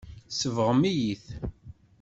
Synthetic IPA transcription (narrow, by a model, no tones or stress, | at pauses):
səvʁmijiθ